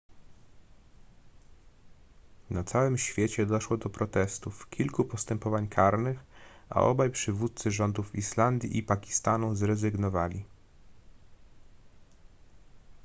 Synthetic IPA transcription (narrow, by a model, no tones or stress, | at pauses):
nat̪sawɘmɕfʲjet͡ɕɛd̪ɔʂwɔd̪ɔpɾɔt̪ɛst̪ufkʲilkupɔst̪ɛmpɔvaɲkʰaɾnɘxa̰ʔɔ̰bajpʂɘvut̪̚t̪sɘʐɔnd̪ufiʂland̪ʲjḭʔipakʲi̥st̪anuzɾɛzɘɡnɔvalʲi